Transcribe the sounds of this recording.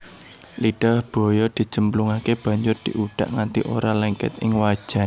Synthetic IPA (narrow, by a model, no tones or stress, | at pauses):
liɖ̥ɔhb̥ɔ̤jɔd̪̥i̤t͡ʃəmbluŋakeb̥ä̤ɲd͡ʒʊrd̪̥iʔuɖ̥aʔŋant̪ḭʔo̰ɾalɛŋkɪ̰t̪ɪ̰ŋwad̥ʒ̥a̤n